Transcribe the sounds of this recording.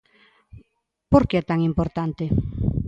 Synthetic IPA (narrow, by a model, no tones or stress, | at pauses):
poɾkeɛt̪aŋimpoɾt̪ant̪e